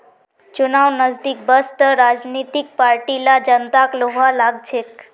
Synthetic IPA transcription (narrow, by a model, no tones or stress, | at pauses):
t͡ʃunawnəzd̪ik̚bəst̪əɾad͡ʒnit̪ik̚paɾʈilad͡ʒənt̪akloɦalaɡt͡ʃʰek